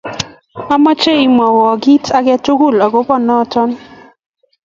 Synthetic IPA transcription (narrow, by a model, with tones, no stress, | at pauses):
a˦ma˦t͡ʃe˦i˨m˨a˨wɔ˨ɡi˦tʰa˦ɡɛ˦tu˦ɡu˦˨la˨ɡo˦pɔ˦˨nɔ˦˨tɔ˦n